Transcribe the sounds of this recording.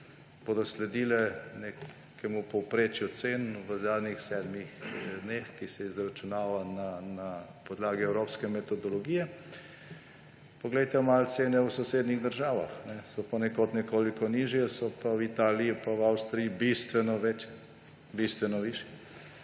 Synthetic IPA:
boːd̪ɔslɛd̪iːlɛne | kɛmupɔwpɾeːt͡ʃjut̪seːnʋəzaːd̪nixsɛːd̪mixd̪nexkisɛizɾat͡ʃunaːʋananapɔd̪laːɡiɛwɾoːpskɛmɛt̪ɔd̪ɔlɔɡijɛ | pɔɡlɛjt̪ɛmalt̪seːnɛwsɔseːd̪niɣd̪əɾʒaːʋaxnɛsɔpɔnɛkot̪nɛkoːlikɔniʒjɛsɔpawit̪aːliipawawst̪ɾiibist̪ʋɛnɔʋɛt͡ʃjɛ | bist̪ʋɛnɔʋiʃjɛɛ

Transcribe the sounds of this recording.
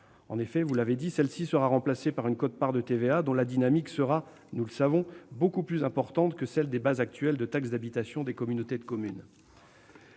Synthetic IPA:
ɑ̃nefɛvulaved̪isɛlsisəʁaʁɑ̃plasepaʁynkot̪̚paʁd̪ət̪evead̪ɔ̃lad̪inamiksəʁa | nuləsavɔ̃bokuplyzɛ̃pɔʁt̪ɑ̃t̪kəsɛld̪ebazak̚t̪ɥɛld̪ət̪aksd̪abit̪asjɔ̃d̪ekɔmynot̪ed̪əkɔmyn

